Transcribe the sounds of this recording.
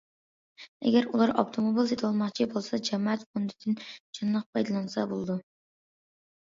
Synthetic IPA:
ɛ̰ɡʲæɾulˠɑɾɑpt̪ʰomobilˠset̪ʰwɑlˠmɑχt͡ʃʰibolˠsɑd͡ʒɛmɑɛt̪χund̪ɪd̪ɪnt͡ʃʰɨnlːˠəq̚pʰɑjd̪ɨlˠɑnɨsɑbo̰lˠɨd̪u

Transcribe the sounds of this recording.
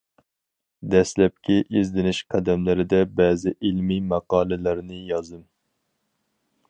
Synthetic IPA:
d̪ɛslɛp̚kʲiʔizd̪ɪnɪʃqʰæd̪ɛmlɪɾɪd̪ɛbɛːzɪʔilmimɑqɑːlˠɨlæɾnɪjɑzɨm

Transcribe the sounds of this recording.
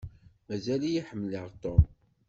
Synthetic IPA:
mæzælijiħəmːliʁt̪om

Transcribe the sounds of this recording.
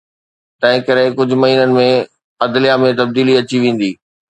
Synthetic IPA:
t̪ɐ̃ɦɪ̃kɐɾɪkʊd͡ʑʱʊ̆mɐɦiːnənɪ̆mẽ | ɐd̪lɪjamẽt̪ɐb̚d̪iːliɐt͡ɕiʋẽːn̆d̪iː

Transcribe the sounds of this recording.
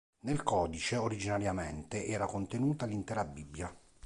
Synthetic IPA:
nelkɔːd̪it͡ʃeoɾid͡ʒinaɾjament̪eʔɛːɾakont̪enuːt̪alint̪ɛːɾabːibːja

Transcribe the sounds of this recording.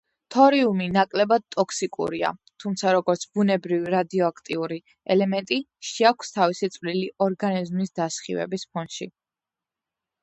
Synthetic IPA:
t̪ʰɔɾiuminakʼlɛbad̪̚t̪ʼɔkʰsikʼṵɾia̰t̪ʰumt̪sʰaɾɔɡɔɾt̪sʰb̥unɛbɾiviɾad̪iɔakʰt̪ʼiuɾi | ɛlɛmɛnt̪ʼiʃɛakʰʷst̪ʰavisit̪sʼvliliʔɔɾɡanizmisd̪̥asχḭvɛ̰bispʰɔnʃḭ

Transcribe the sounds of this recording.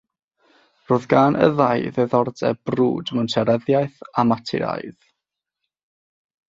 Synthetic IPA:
roːðɡanʔə̰ðajðɛðɔrdɛ̰b̥rṵːdmɛwntʰɛɾəðjaɨθamatʰɪ̰ɾa̰jð

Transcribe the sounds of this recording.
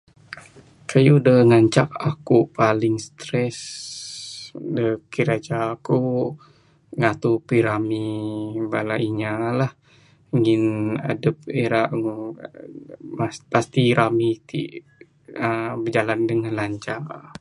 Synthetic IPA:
kʰajudəŋaɲt͡ʃakakupalɪŋst̪ɾɛs | dəkiɾad͡ʒaku | ŋat̪upiɾamibalaiɲalah | ŋɪna̰dəp̚eɾaʔŋ | mapast̪iɾamit̪ḭʔ | əbəd͡ʒalandəŋanlaɲt͡ʃa

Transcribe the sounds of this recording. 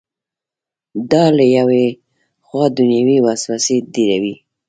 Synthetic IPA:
d̪ɑlajawe | xwɑd̪ʊnjawiwaswased̪iɾawi

